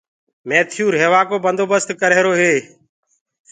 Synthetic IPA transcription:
meːt̪ʰɪjuːɾɦeːʋaːkoːbənd̪oːbəst̪kəɾeːɾoːɦeː

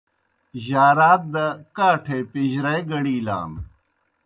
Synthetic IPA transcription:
ʑaːɾaːt̪̚d̪ɐkaːʈʰeːpiʑɾɐjɡɐɽiːla̰ːm

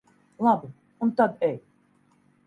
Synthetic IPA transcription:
lˠabɨ | unt̪ad̪ɛj

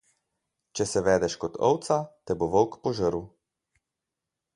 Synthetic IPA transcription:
t͡ʃɛsɛʋɛːd̪ɛʃkɔt̪ʰɔ̰wt̪sat̪ɛboʋɔlkpɔʒəɾu

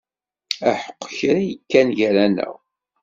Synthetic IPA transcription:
æħə̥qːçɾajəkːænʝɾænə̰ʁ

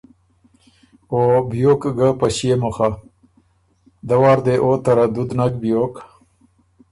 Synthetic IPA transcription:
obijoːkɡəpaɕijemoxa | d̪awɑːɾd̪eʔot̪aɾad̪ʊd̪nakbijoːk

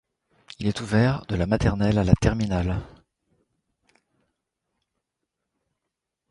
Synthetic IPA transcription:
ilɛt̪uvɛʁd̪əlamat̪ɛʁnɛlalat̪ɛʁminal

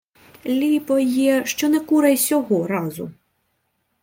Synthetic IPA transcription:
lʲipɔjɛʃt͡ʃɔnɛkuɾejsʲɔɦɔɾɑzʊ̰

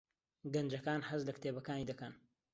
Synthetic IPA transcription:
ɡɐnd͡ʒɐkaːnhɐzlɐkt̪ʰeːbɐkaːniːd̪ɐkɐn

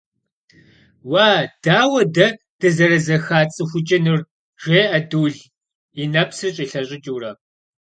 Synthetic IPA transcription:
waːd̥aːwɐdɐ | d̥ɐzɐɾɐzɐxaːt͡sʼɨxʷʊt͡ʃʼɐnɨr | ʒ̥ʷeːʔɐduːɮ | inɐpsrɨɕʼiːɬɐɕʼɪt͡ʃʼuːrɐ

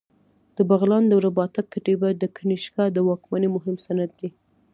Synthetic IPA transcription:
d̪̥əbaɣlɑnd̪əwɾabɑt̪akːaʈebad̪əkʰaniʃkɑd̪əwɑkmanemʊɦɪmsanad̪̚ːi

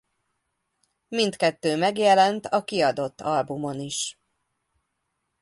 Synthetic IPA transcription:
mint̪kɛt̪ːøːmɛɡjɛlɛnt̪ʰɒkiɒd̪o̞t̪ːɒlbumo̞niʃ

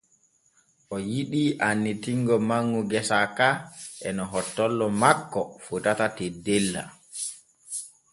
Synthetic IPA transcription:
ʔɔjiɗiʔanːitiŋɡɔmaŋːuɡɛsakaʔɛnɔɦɔtːɔlːɔmakːɔfutatatedːelːa̰

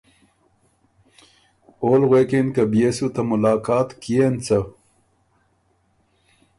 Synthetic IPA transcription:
oːlɣweːkenkɐbjesut̪ɐmulaːkaːt̪kijent͡sɐ

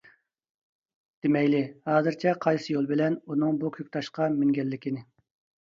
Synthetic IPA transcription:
d̪̥ɪmɛjlɪhɑːzɨɾt͡ʃʰɛqʰɑjsɨjolˠbɪlɛnunɨŋbukʲʰøkʲt̪ʰɑʃqɑmyŋɡʲɛlːɪkʲinɪ

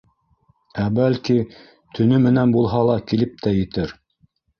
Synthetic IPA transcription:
æbælki | t̪ʰɵ̆nɵmɘ̆nænbulˠɦɑlˠɑkilɘp̚t̪æjɘ̆t̪ɘɾ

